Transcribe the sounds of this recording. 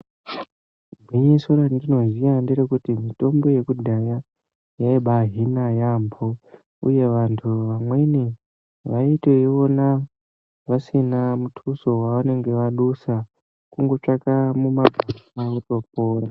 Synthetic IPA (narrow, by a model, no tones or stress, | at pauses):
bʱiɲisuɾandino̞zijandeɾekutimito̞mbo̞je̞kudʱaja | jaiɓaɦinajambʰʱo̞ | ṵje̞ʋantʰuʋamwe̞ni | ʋaiteiʋo̞na | ʋasinamutʰuso̞waʋane̞ŋɡe̞ʋaɗusa | kuŋɡo̞t͡ʂakamumaɡʱasauto̞p̚oːra